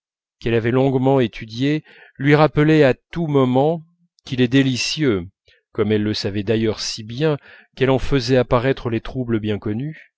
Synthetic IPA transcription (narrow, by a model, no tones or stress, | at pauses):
kɛlavɛlɔ̃ɡmɑ̃et̪ʰyd̪je | lɥiʁapəlɛat̪umɔmɑ̃ | kʲilɛd̪elisjø | kɔmɛlːəsavɛd̪ajœʁsibjɛ̃ | kɛlɑ̃fəzɛapaʁɛt̪χəlet̪χubləbjɛ̃kɔny